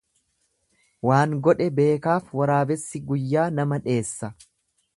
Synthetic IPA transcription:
waːŋɡɔᶑɛbe̞ːkaːfwɐɾaːbɛsːɪɡʊjːaːnɐmɐᶑe̞ːsːɐ

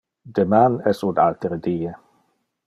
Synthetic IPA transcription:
d̪emanɛsuna̰lt̪eɾed̪iːe

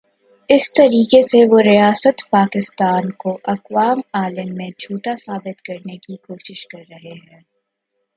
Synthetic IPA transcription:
ɪst̪ɐɾiːkeseʋoɾijaːsət̪paːkɪst̪aːnkoʔɐqwaːmaːləmːẽd͡ʒʰʱuːʈasaːbɪt̪kɐɾnekikoːʃɪʃkɐɾːɐɦeɦɛ̃ː

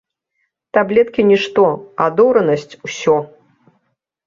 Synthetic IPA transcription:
t̪ablʲɛt̪kʲinʲiʂt̪ɔad̪ɔwɾɐnɐsʲt͡sʲusʲɔ

